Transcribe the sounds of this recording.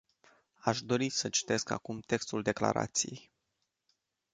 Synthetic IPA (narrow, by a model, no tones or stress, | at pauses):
aʃd̪o̞ɾisət͡ʃi̥t̪e̞ska̰kumt̪e̞kst̪uld̪e̞kla̰ɾa̰t̪sijej